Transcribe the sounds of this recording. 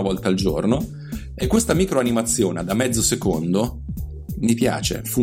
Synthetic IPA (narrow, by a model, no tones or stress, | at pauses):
avɔlt̪aːld͡ʒo̰rno | ekːwest̪amiːkɾoanimat̪sːjoːned̪amːɛd̪zːosekond̪o | mipja̰ːt͡ʃḛfu